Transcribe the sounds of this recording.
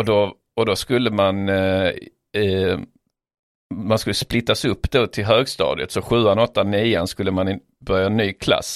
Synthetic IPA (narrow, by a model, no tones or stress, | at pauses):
ɔd̪ɔ | ɔd̪ɔskɵlːəman | manskɵlːəsplɪt̪ːasɵpːd̪oːt̪ʰɪlɦøːɡst̪ɑ̰ːd̪ɪət̪sɔɧʉ̟ːanɔt̪ːaniːanskɵlːəmanɛ | bœɾjaɛnːyːkʰla̰sː